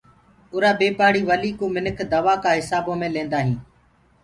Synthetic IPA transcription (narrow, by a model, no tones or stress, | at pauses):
ʊːɾaːbeːpaːɽiːʋəliːkoːmɪnəkʰd̪əʋaːkãːɦɪsaːbõːmẽːlẽːnd̪aːɦĩː